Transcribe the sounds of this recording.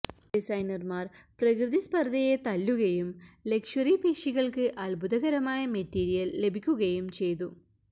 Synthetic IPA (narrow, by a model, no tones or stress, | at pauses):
ɖisɐjnɐrmaːrprɐkrɨðispɐrd̪ʱɐjet̪ɐlːuɣɐjumle̞kʂɐripiːʂiɣɐɭkɨʔɐlbʱud̪ɐɣɐɾɐmaːjɐmetːiːɾijɐlːe̞bʱikʲːuɣɐjumt͡ɕe̞jt̪u